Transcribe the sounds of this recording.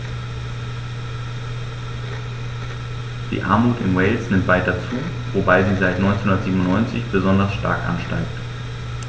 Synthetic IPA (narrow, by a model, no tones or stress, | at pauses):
d̥ḭːʔa̰ɐmuːtɪmwɛɪlsnɪmtv̥aɪtɐt͡suː | vobaɪziːzaɪtnɔʏnt͡senhʊndɐtz̥iːbm̩ʊnɔʏnt͡sɪ̰çb̥əzɔndɐsʃta̰ɐkʔa̰nʃta̰ɪk̚t